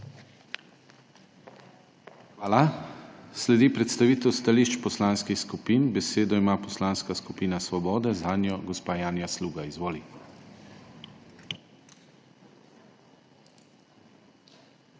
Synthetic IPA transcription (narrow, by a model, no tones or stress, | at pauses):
xʋaːla | slɛd̪ipɾɛt̪st̪aʋiːt̪ɛwst̪aliʃt͡ʃpɔslaːnskixskupiːnbɛseːd̪ɔimaːpɔslaːnskaskupiːnasʋɔbɔːd̪ɛzaːnjɔɡɔspaːjaːnjasluːɡaizʋoːli